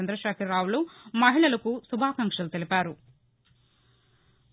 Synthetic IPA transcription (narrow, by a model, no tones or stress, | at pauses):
ɐnd̪ɾɐʃaːkʰiɾɾːaːwulumɐɦiɭɐlɐkusubʱaːkɐŋkʂɐlut̪elipaːɾu